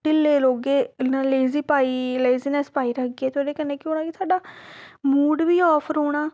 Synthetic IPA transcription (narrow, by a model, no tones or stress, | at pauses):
ʈɪlːeːloːɡeːnːleːziːpaːiːleːziːnɛ̃ːspaːiːɾəɡieːt̪ʰoːɖeːkənːeːkɪoːnãːkit̪ʰaːɖaːmuːɖʋiːɔːpʰɾoːɽ̃aː